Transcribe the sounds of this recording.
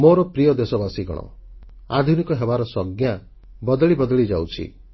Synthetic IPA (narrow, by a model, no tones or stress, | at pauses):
moɾɔpɾijɔd̪esɔbasiɡɔ̰ɽ̃ɔ̰ | a̰d̪ʱunikɔɦebaɾɔsɔɡja | bɔd̪ɔɭibɔd̪ɔɭid͡ʒa̰wt͡ʃʰḭ